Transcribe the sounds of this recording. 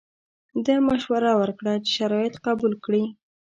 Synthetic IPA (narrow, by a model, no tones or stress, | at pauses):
d̪amaʃwaɾawəɾkɽat͡ʃe̥ʃaɾɑjɪt̪qɑbulkɽi